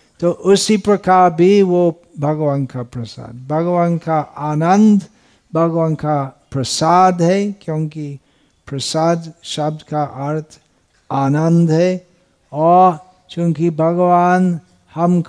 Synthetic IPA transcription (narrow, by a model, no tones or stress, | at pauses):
t̪oʔʊsipɾɐkaːɾbʱiʋo | bʱɐɡwaːnkapɾɐsa̰ːd̪̚bʱɐɡwaːnkaʔaːnə̃nd̪ | bʱɐɡwankapɾəsaːd̪ɦɛkjõːki | pɾɐsaːd̪ʃɐb̚d̪ʱkaʔəɾt̪ʰ | aːnə̃nd̪ɦɛ | ɔːɾ | t͡ʃõːkibʱɐɡwaːn | hɐmk